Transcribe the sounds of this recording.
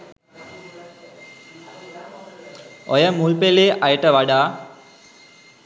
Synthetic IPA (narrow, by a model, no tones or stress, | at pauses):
ojəmulpeleːʔajəʈəʋaɖaː